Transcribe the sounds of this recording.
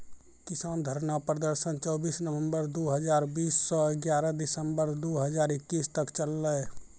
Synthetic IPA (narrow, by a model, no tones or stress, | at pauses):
kɪsaːnd̪ʱəɾnapɾəd̪əɾʃənt͡ʃɔːbiːsnəʋə̃mbəɾd̪oːɦəd͡ʒaːɾbiːsːɔɪɡjaːɾəd̪ɪsəmbəɾd̪oːɦəd͡ʒaːɾɪkːiːst̪əkt͡ʃəlːəj